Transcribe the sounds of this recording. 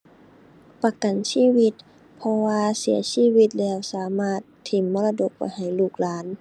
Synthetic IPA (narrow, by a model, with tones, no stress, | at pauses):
pa˧ka˨˩nsiː˧˥˨wi˧˩t̪̚ | pʰɔ˧waː˧si˩˦ɐsiː˧˥˨wi˧t̪̚lɛː˧˩˨wsaː˨˦maː˧˥˩t̪ʰːi˨˩˦mːɔː˧la˧do˧k̚pa̰˨˦jɦa˨˩jluː˧˩k̚laː˨˦˥n